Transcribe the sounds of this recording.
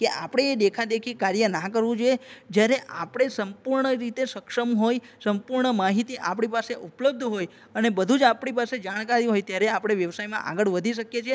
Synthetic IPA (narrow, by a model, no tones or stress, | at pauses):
keʔapɽ̃eːd̪ekʰad̪ekʰikaɾjənãkəɾʋũd͡ʒoed͡ʒjaɾeʔapɽ̃esəmpuɾɳəɾit̪esəkʃəmɦojsəmpuɾɳəmaɦit̪iʔapɳ̃ipaseʔupləb̚d̪ʱɦoj | ənebəd̪ʱũd͡ʒapɳipased͡ʒaɽ̃kaɾiɦojt̪jaɾeapɽ̃eʋjəʋsajmã̰ʔa̰ɡəɭʋəd̪ʱiʃəkjet͡ʃʰe